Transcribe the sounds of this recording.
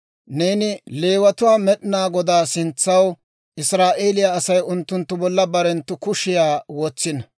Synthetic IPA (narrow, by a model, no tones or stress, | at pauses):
neːnɪle̞ːwɐt̪ʊwaːmɛɗɪnaːɡɔd̪aːsɪnt͡sːɐw | ʔɪsɾaːʔe̞ːlɪjaːsɐjʊnt̪ːʊnt̪ːʊbɔlːɐbɐɾɛnt̪ːʊkʊʃɪjaːwɔt͡sːɪnɐ